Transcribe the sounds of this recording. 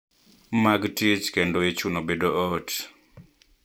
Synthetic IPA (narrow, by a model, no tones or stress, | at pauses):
maɡtit͡ʃkendoet͡ʃunobedoot